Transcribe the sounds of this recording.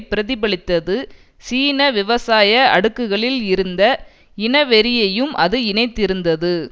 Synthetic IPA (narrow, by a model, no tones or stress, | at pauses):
pːɪɾɐðɪbɐɭɪt̪ːɐðɯ | siːnɐʋɪʋɐsaːjɐɐ̰ɽɯkːɯɣɐɭɪlɪɾɯnd̪ɐ | ɪnɐʋɛɾɪjɐjɯmʔɐ̰ðɯɪnɐɪt̪ːɪɾɯnd̪ɐðɯ